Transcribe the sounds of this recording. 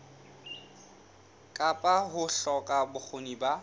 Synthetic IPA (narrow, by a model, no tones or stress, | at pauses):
kʼapʼaɦʊɬɔkʼabʊk͡xʰoniba